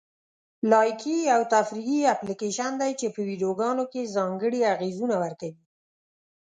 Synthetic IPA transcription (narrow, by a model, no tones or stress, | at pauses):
lɑjkiawt̪afɾiɣiaplikeʃand̪ajt͡ʃepəwiɖioɡɑnokezɑŋɡəɽiaɣezunawaɾkawi